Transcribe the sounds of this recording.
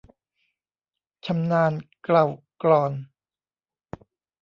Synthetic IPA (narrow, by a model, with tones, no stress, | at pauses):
t͡ɕʰa˧mnaː˧nkla˨˩w | klɔː˨˩n